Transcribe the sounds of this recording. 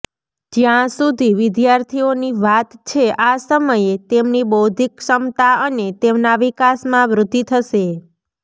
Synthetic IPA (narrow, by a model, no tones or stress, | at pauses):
d͡ʒjãsud̪ʱiʋɪd̪jaɾt̪ʰioniʋat̪t͡ʃʰeʔasəməjet̪emnibod̪ʱikʃəmt̪aənet̪emnaʋikasmãʋɾʊd̪ʱːit̪ʰəʃe